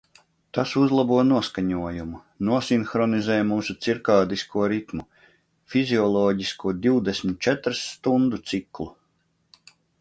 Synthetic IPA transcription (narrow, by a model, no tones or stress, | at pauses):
t̪asuzlˠabuɔnuɔskaɲuɔjumu | nuɔsinxɾɔnizɛːjmuːsut̪siɾkaːd̪iskuɔɾit̪mu | fiziɔlˠɔːɟiskuɔd̪iwd̪esʲmʲit̪̚t͡ʃɛt̪ɾsːt̪und̪ut̪siklˠu